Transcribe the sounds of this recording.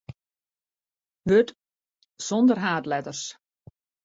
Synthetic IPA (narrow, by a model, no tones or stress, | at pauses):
ʋøt | sɔndərɦaːtlɛtərs